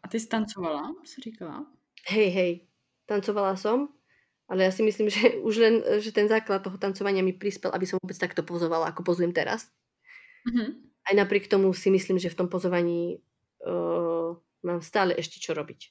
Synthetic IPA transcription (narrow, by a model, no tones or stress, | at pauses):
ʔat̪ɛst̪ant͡sɔʋalasiɾikala̰ | ɦɛjɦɛj | t̪ant͡sɔʋalasɔm | ʔalɛjasimisliːmʒɛuʒlɛnʒɛt̪ɛnzaːklat̪̚ːɔɦɔt̪ant͡sɔʋaɲɪamipɾispɛlʔa̰bisɔmʋɔbɛt͡st̪ak̚t̪ɔpɔzɔʋalaakɔpɔzujɛmt̪ɛɾa̰s̩ | ɦ̩ | ajnapɾɪɛkt̪ɔmusimisliːmʒɛft̪ɔmpɔzɔʋaɲiː | maːmst̪aːlɛʔɛʃcɛt͡ʃɔɾɔbic